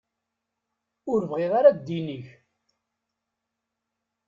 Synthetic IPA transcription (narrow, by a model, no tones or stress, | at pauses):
ʊɾvʁeðaɾaɡd̪iniç